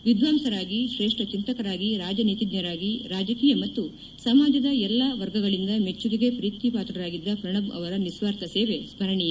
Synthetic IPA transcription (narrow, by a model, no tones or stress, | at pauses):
ʋid̪ʱʋaːmsɐɾaːɡiʃɾeːʂʈʰɐt͡ʃint̪ɐkɐɾaːɡiɾaːd͡ʒɐnit̪id̪ɲɐɾaːɡiɾaːd͡ʒɐkiːjɐmɐt̪ːu | sɐmaːd͡ʒ̪ɐd̪ɐɛlːaːʋɐɾɡɐɡɐɭind̪ɐme̞t͡ʃːudiɡe̞pɾiːt̪ipaːt̪ɾɐɾaːɡid̪ːɐkɾɐɳɐmɐ̰ʋɐɾɐnisʋaːɾt̪ɐseːʋe̞sbʱɐɾɐɳijɐ